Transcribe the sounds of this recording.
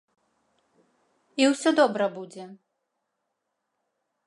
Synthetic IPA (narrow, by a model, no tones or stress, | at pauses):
iwsʲɔd̪ɔbɾɐbud͡zʲɛ